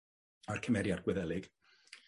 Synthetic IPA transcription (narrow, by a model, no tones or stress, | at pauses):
arkʰəmɛɾjarɡwɛðɛlˠɪɡ̥